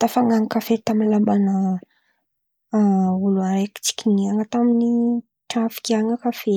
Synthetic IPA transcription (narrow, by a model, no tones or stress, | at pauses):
t̪afaŋaŋikafet̪amilabana | uluanɾeki̥t͡si̥kʲiniaŋət̪amini | ʈ͡ʂafi̥kʲiaŋəkafe